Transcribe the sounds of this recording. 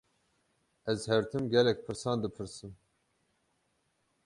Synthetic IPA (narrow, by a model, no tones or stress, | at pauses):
ɛzhɛɾt̪ʰɨmɡʲɛlɛk̚ʲpʰɨɾsɑːnd̪ɨpʰɨɾsɨm